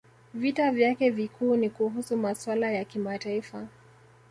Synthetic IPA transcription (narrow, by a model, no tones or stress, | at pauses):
vitavjakɛvikʰuːnikuɦusumaswalajakimataifa